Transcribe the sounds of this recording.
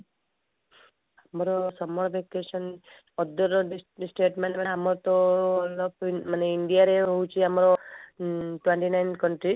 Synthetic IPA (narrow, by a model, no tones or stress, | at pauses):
amɾɔsɔmɔɾbʱekesɔn | ɔd̪ɔɾɔɖisʈeːʈmeɳʈmaamɔɾt̪ɔlɔpmaneiɳɖijaɾeɦout͡ʃʰiamɾɔ | ʈweɳʈinajnkʌɳʈɾi